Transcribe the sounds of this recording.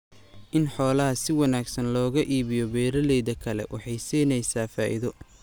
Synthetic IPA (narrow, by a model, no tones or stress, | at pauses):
ʔɪnħɔːlɐɦɐsɪwɑnaːɡsɐnlɔːɣɐʔiːβɪjɔbɛːɾɐlɛjðɐkʰɐlɛ̰wʔɑħɑjsiːnɛjsaːfaːʔḭðɔ